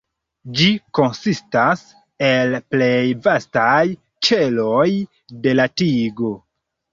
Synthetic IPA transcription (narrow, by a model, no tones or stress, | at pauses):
d͡ʒiko̞nsistas | e̞lple̞jvastaj | t͡ʃe̞lo̞j | de̞latiɡo̞